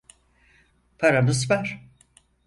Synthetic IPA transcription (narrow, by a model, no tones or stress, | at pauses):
pʰaɾanɯs̬bæɾ̥